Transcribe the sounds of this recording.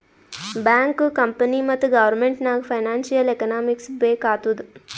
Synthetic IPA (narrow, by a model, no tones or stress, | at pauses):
baŋkkɐmpəniːmɐt̪ɡɐʋəɾmeɳʈnaːɡfɐjnaːnsijəlekɐnaːmiksbeːkaːt̪ud̪